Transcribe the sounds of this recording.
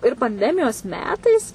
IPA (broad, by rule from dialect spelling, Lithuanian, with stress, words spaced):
ɪr pɐnʲˈdʲæːmʲɪjoːs ˈmʲæːtɐɪs